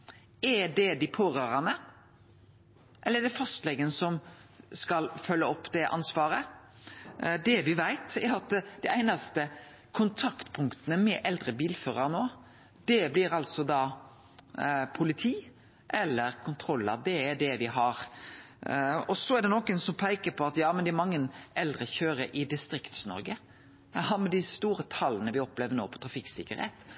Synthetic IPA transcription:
ɛɖɛd̪ɪpʰoːɾøːɾənə | ʔɛlːəɛɖɛfɑst̪lɛɡənəsɔmskɑlfœlːəɔpːd̪ɛʔɑ̰nsʋɑːɾə | d̪ɛʋɪʋæɪt̪ɛɾɑt̪d̪̥ɛʔæɪnɑst̪ə | kʰʊnt̪ʰɑkt̪pʰʊŋkt̪ənəmɛʔɛld̪ɾəbiːlføːɾəɾnoː | d̪̥ɛblɪɾɑlsɔd̪ɑː | pʰʊlɪt̪ʰiː | ʔɛlːəɾkʰʊnt̪ʰɾɔlːɑ̰d̪ɛːɖɛʋɪɦɑɾ | ɔsɔæɖ̪ɛnɔkənsɔmpʰæɪkəpʰɔɑt̪jɑːmɛnd̪ɛæɾmɑŋːənʔɛld̪ʁəçøːɾəʔɪd̪ɪst̪ɾɪkt̪snɔ̰ɾɡə | ɑmɛd̪ɪst̪uːɾət̪ʰɑlːənəʋɪɔpleːʋənoːpʰɔ̥t̪ʰɾɑfɪksɪkːəɾhḛːt̪

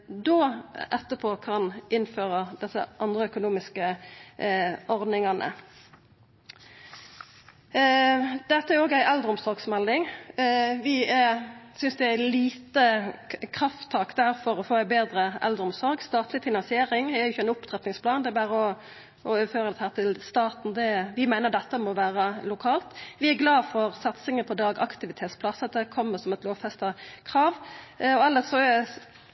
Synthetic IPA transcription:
d̪oːʔɛt̪ːəpʰoːkʰɑnɪnføːʁəd̪ɛsə̰ʔɑnd̪ʁəœkʊnuːmɪskə | ɔʁd̪nɪŋɑnʔə̰ | d̪̥ɛt̪ːəæɾoːɡæɪʔɛld̪əʁʊmsɔʁɡsmɛld̪ɪŋ | ʋɪɛsʏnsd̪ɛææliːt̪əkʰʁɑft̪ʰːɑːkd̪æʁfɔʁɔfoːæɪbeːd̪ɾəʔɛ̰ld̪ɾəɔmsɔɾɡst̪ɑːt̪lɪfɪnɑnsɪeːɾɪŋæɾjʊçːəɛnʊpt̪ʰʁɛt̪nɪŋspʰlɑːnd̪ɛbæːɾəɔ | ʔɔøːføːɾət̪hæːʁt̪ʰɪlst̪ɑːt̪n̩d̪ɛʋɪmæɪnəʁd̪ɛt̪ːəmɔʋæːʁəlʊkʰɑːlt̪ʋɪæɡlɑːfɔʁsɑt̪sɪŋəpʰɔd̪ɑːɡɑ̰kt̪ɪʋɪt̪ʰeːt̪spʰlɑsɑt̪̚d̪ɛkʰɔmːəɾsɔmɛt̪loːʋfɛst̪ɑkʰɾɑːʋɔɛlːəsɔ

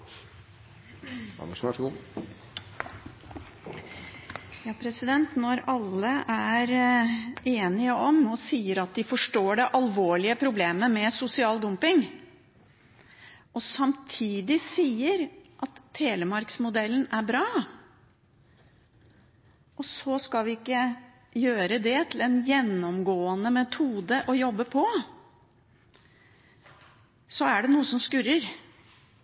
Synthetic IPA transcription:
ɑ̰nəʂʂʊ | jɑːpʰɾɛsɪd̪ɛnt̪nɔɾɑlːəʔæɾ | eːnɪəʔɔmɔsiːəɾɑt̪̚d̪ɪfɔʂʈoːɖɛʔɑlʋoːɭɪəpʰɾʊbleːməmɛsʊsɪɑːld̪ʊmpɪŋ | ɔsɑmt̪ʰiːd̪ɪsiːəɾʔɑt̪ʰːeːləmɑɾksmʊd̪ɛlːənæɾbɾɑː | ɔsɔskɑlʋɪɪkːə | jøːɾəd̪ɛt̪ʰɪlɛnjɛnːɔmɡoːənəmɛt̪ʰuːd̪əʔɔjɔbːəpʰɔ | sɔæɖɛnuːəsɔmskʉɾəɾ

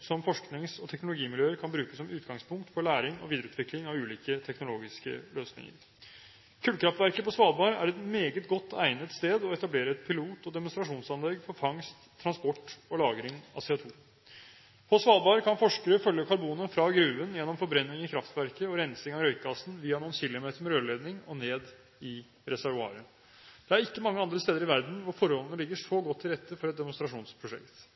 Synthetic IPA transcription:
sɔmfɔʂknɪŋsɔt̪ʰɛknʊlʊɡiːmɪljøːəɾkʰɑnbɾʉːkəsːɔmʉːt̪ɡɑŋspʰʊŋk̚t̪fɔɭæːɾɪŋɔ̰ʋiːd̪əɾʉːt̪ʋɪklɪŋɑʋʉːliːkət̪ʰɛknʊloːɡɪskə̰løːsnɪ̰ŋə̰ɾ | kʰʉːlkʰɾɑft̪ʋæɾkəpɔsʋɑːlbɑːɾæ̰ɾɛt̪meːɡət̪ɡɔt̪ːæɪnət̪st̪eːd̪ɔɛt̪ɑbleːɾəɛt̪pʰɪluːt̪ɔd̪ɛmʊnst̪ɾɑʂuːnsɑnlɛɡfɔɾfɑŋst̪ʰːɾɑnspɔʈːɔlɑːɡɾɪŋɑ̰sɛɑt̪ʰuː | pʰɔsʋɑːlbɑːɾəkʰɑnfɔʂkəɾəfœljəkʰɑɾbuːnəfɾɑɡɾʉːʋənjɛnːɔmfɔɾbɾɛnːɪŋɪkʰɾɑft̪ʋæɾkəɔɾɛnsɪŋɑɾœʏkɡɑsnʋiːɑnuːənɕɪlːʊmeːt̪əɾmɛɾøːleːd̪nɪŋɔneːd̪ | ɪ | ɾɛsæɾʋʊɑ̰ːɾə | d̪̥ɛæɾɪkːəmɑŋːəɑnd̪ɾəst̪eːd̪əɾɪʋæɾd̪n̩ʋʊɾfɔɾhɔlnəlɪɡːəʂoːɡɔt̪ʰːɪɾɛt̪ːəfɔɾɛt̪̚d̪ɛmʊnst̪ɾɑʂuːnspʰɾʊʂɛ̰kt̪

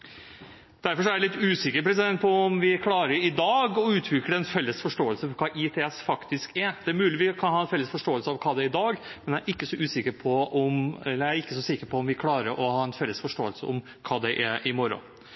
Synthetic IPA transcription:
d̪̥æɾfɔɾʂɔæɾlɪt̪ːʉːsɪkːəɾpʰɾɛs̬ɪd̪ɛnt̪pɔɔmʋɪkʰlɑːɾəɾɪd̪ɑːɡɔʉːt̪ʰʋɪkɾəɖɛɛnfɛlːəsfɔʂʈoːəlsəfɔɾkʰɑːʔɪt̪ʰeːɛsfɑkt̪ɪskæɾd̪̥ɛæɾmʉːlɪʋiːɔkʰɑnhɑːɛnfɛlːəsfɔʂʈoːəlsəɑʋkʰɑːd̪ɛɾɪd̪ɑːɡmɛnæɾʔɪkːəsɔʉːsɪkəɾpʰɔɔmɛlːəæɾɪkːəsɔsɪkəɾpʰɔɔmʋɪkʰlɑːɾəɾʔɔhɑːɛnfɛlːəsfɔʂʈoːəlsəɔm | kʰɑːd̪ɛʔæʔɪmɔɾʊ̰

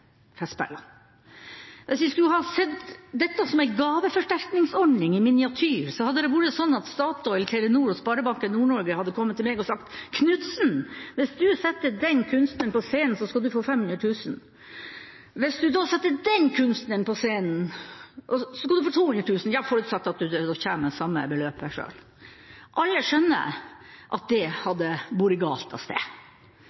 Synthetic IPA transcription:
fɛspæ̰lːɑ | ʋɪsʋɪskʉlhɑsɛt̪ːd̪ɛt̪ːɑsɔmæɪɡɑːʋəfɔʂʈæɾknɪŋsɔnɪŋɪmɪnɪɑt̪ʰyːɾsɔhɑd̪ːəd̪ɛʋʊɾəsɔnːɑt̪st̪ɑːt̪ɔɪlt̪ʰɛlənuːɾɔspɑɾəbɑŋkənuːɳɔɾɡəhɑd̪ːəkʰɔmːət̪ʰːɪlmɛːɡɔsɑkt̪kʰnʉt̪sn̩ʋɪsd̪ʉsɛt̪ːəd̪ɛnkʰʉnst̪nənpɔseːnn̩sɔskɑd̪ʉfoːfɛmhʉnɾəʈ̪ʰʉːsn̩ | ʋɪsd̪ʉd̪oːsɛt̪ːəd̪ɛnkʰʉnst̪nənpʰɔseːnn̩ʔɔsɔskɑld̪ʉfoːt̪ʰuːhʉnd̪ɾəʈ̪ʰʉːsn̩jɑːfɔɾʉːt̪sɑt̪ːɑt̪̚d̪ʉd̪d̪ɔːçæːməsɑmːə̰bəløːpæʂø̰ːl | ʔɑlːəʂœnːə̰ʔɑt̪̚d̪ɛhɑd̪ːəbuːɾɪɡɑ̰ːlt̪ɑ̰st̪ḛː

